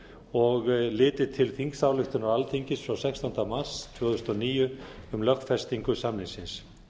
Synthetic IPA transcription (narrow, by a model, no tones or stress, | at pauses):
ɔɣlɪːt̪ɪt̪ʰɪlθiŋksaːwlʏxt̪ʏnaɾalt̪ʰiɲcɪsfɾawsɛkst̪ɔnt̪amar̥st̪ʰvœːɣðʏst̪ɔniːjʏʏmlœxt̪fɛst̪iŋkʏsamnɪnsɪns